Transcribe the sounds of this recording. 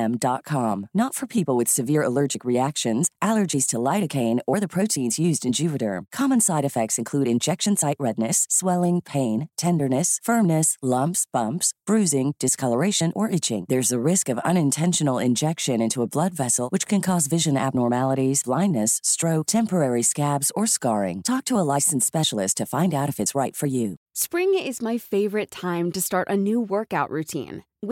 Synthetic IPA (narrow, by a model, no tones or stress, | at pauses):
mdɑt̚kʰɑ̃mnətfə˞pʰipl̩ˠwɨð̥sɨvɪɹə̰lɜ˞d͡ʒɨkɹiækʃɨ̃nz̥ʔælˠə˞d͡ʒiz̥tʰəlaɪɾɨkʰẽɪ̃nə˞ðɨpʰɹ̥oʊtʰĩnzjʉzdɨ̃nd͡ʒʉvɨɾə̰˞kʰɑmə̃nsaɪɾɨfɛk̚tsɨ̃nkʰl̥ʉɾɨ̃nd͡ʒɛkʃɨ̃nsaɪʔ̚ɹɛdⁿnɨsːwɛlˠɪ̃ŋpʰẽɪ̃ntʰɛ̃ndə˞nɨsfɜ̃˞mnɨslʌ̃mpsb̥ʌ̃mpsb̥ɹʉzɪ̃ŋd̥ɨskʰʌlˠə˞eɪʃɨ̃nʔə˞ʔɪt͡ʃɪ̰̃ŋðə˞zɨɹɪskʌvʌ̰̃ñɨ̃ntʰɛ̃nʃɨn̩l̩ˠɪ̰̃nd͡ʒɛkʃɨ̃nɪ̃ntuəblʌdvɛsl̩ˠwɨt͡ʃkʰɨ̃nkʰɔzvɪʒɨ̃næ̰b̚nɔɹmælˠəɾizblãɪ̃nːɨsːtɹ̥oʊk̚tʰɛ̃mpə˞ɛɹiskæbzə˞skɑɹɪ̰̃ŋtʰɔk̚tʰəəlaɪsn̩spɛʃl̩ˠɨstʰɨfãɪ̃ndaʊɾʌfɨtsɹaɪtfə˞jʉspɹɪ̃ŋɪzmaɪfeɪvə˞ɨtʰãɪ̃mtɨstɑɹɾʔɨnuwɜ˞kaʊʔɹʉtʰḭ̃n